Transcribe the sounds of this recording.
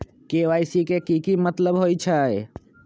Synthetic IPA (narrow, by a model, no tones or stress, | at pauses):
keʋajsikekikimət̪ləbɦojt͡ʃʰəj